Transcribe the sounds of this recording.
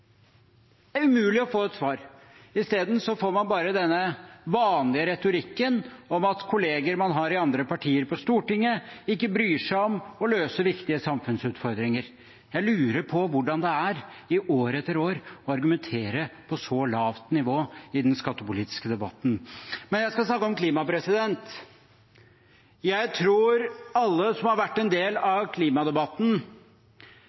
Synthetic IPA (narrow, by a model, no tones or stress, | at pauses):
d̪ææɾʉmʉːlɪɔfoːɛt̪sʋɑːɾ | ɪst̪eːd̪n̩sɔfoːɾmɑnbɑːɾəd̪ɛnːəʋɑːnlɪəɾɛt̪ʊɾɪkːənɔmɑt̪kʰʊleːɡəɾmɑnɦɑɾɪɑnd̪ɾəpɑʈʰiːəɾpɔst̪uːʈɪŋːəɪkːəbɾyːʂæɪɔmɔløːsəɾʋɪkt̪ɪəsɑmfʉnsʉːt̪fɔɾd̪ɾɪŋəɾ | jæɪlʉːɾəɾpʰɔʋʊɖɑnd̪ɛæɾɪʔoːɾəɛt̪ːəɾoːɾɔɑɾɡʉmɛnt̪ʰeːɾəpʰɔsɔlɑːʋt̪nɪʋoːɪd̪ɛnskɑt̪ːəpʊliːt̪ɪ̥skəd̪ɛbɑt̪ːn̩mɛnjæɪskɑlsnɑkːəɔmkʰliːmɑpɾɛsɪd̪ɛnt̪ | jæɪt̪ʰɾuːɾɑlːəsɔmhɑɾʋæʈːɛnd̪eːlɑʋkʰliːmɑd̪ɛbɑt̪n̩